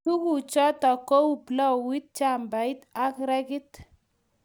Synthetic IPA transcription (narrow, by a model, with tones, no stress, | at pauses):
tu˦ku˨t͡ʃɔ˦tɔ˨ko˦wu˦plɔ˦wi˦t̚t͡ʃa˦˨mba˨i˦t̪a˦kɾɛ˦ki˦t̪